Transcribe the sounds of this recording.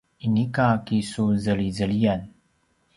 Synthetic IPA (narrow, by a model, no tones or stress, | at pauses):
inikakisuzəlizəlijan